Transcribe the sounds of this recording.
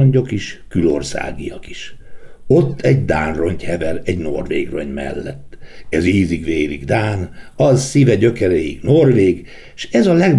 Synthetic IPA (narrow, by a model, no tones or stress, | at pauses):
oɲɟo̞kiʃkylo̞̰rsa̰ːɡijɒki̥ʃo̞t̪ʰːɛɟd̪a̰ːnro̞ɲchɛvɛɾɛɟno̞rvḛːɡro̰ɲmɛ̰lːɛt̪ːɛziːziɡʋeːɾiɡd̪aːnɒzsivɛɟøkɛɾɛjiɡno̞rveːɡ | ʃɛzɒlɛɡ